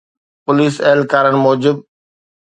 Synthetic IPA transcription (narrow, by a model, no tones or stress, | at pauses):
pʊliːsɐɦlkaːɾənɪ̆moːd͡ʑɪb̚